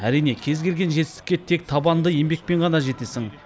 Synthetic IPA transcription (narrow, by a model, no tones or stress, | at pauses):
æɾijne̞kʲʰe̞zɡʲe̞lɡʲe̞nʒet̪ɪst̪ɪ̥kʲːe̞t̪ʰe̞k̚t̪ʰɑbɑnd̪əje̞mbe̞k̚pe̞ɴʁɑnɑʒe̞t̪e̞sɪŋ